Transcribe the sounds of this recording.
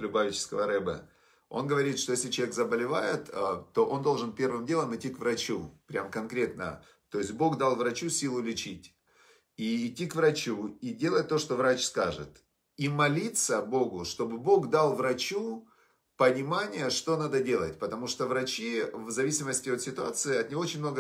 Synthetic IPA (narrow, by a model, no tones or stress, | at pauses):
lʲʊbavʲɪt͡ɕɪ̥skəvəɾɨbə̰ | o̞̰nɡəvɐɾʲit̪ʂt̪ojesʲlʲɪt͡ɕvʲekzəbəlʲɪva̰jɪt̪ːo̞ʔo̞nd̪olˠʐɨnpʲe̞rvɨmdʲelˠəmɪtʲːikvrɐt͡ɕupɾʲamkɐnkɾʲe̞t̪̚nə̰ | t̪o̞ɪsʲt̚ʲbo̞ɡd̪alˠvɾɐt͡ɕusʲilˠʊlʲɪt͡ɕitʲ | iɪtʲːikvrɐt͡ɕuidʲe̞lˠət̚ʲt̪ːo̞ʂt̪o̞vɾat͡ɕskaʐɨ̰t̪ | imɐlʲit̪səbo̞ɡʊʂt̪o̞bɨbo̞ɡd̪alˠvɾɐt͡ɕu | pənʲɪmanʲɪjəʂt̪o̞nad̪ədʲe̞lˠət̚ʲpət̪ɐmuʂt̪ovɾɐt͡ɕivzɐvʲisʲɪməsʲtʲɪo̞t̪sʲɪt̪ʊat̪sɨɪɐt̪nʲɪvoot͡ɕɪnʲmno̞ɡə